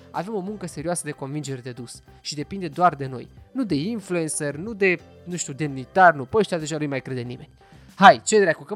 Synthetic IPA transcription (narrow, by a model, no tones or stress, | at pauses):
a̰ve̞mo̞muŋkəse̞ɾioasəd̪e̞ko̞nvind͡ʒe̞ɾed̪e̞d̪us | ʃid̪e̞pind̪e̞d̪oard̪e̞no̞̰jnud̪e̞influensernud̪e̞ | nuʃt̪ʲud̪e̞mnit̪arnupəʃt̪ʲad̪e̞ʒanujmajkɾed̪enime̞nʲ | hajt͡ʃed̪ɾakukə